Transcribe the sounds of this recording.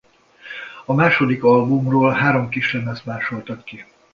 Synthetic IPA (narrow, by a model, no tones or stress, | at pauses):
ɒmaːʃo̞d̪ikɒlbumroːlɦaːɾo̞mkiʃlɛmɛst̪maːʃo̞lt̪ɒkki